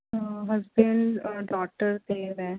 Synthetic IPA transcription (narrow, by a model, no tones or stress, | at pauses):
ɦəzbɪ̃ɳɖɖɔːk̚ʈəɾt̪eʋɛː